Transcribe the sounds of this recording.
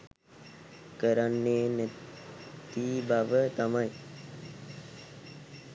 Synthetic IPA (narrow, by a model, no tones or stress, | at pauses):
kəɾanːeːnæ | t̪iːbaʋət̪amaj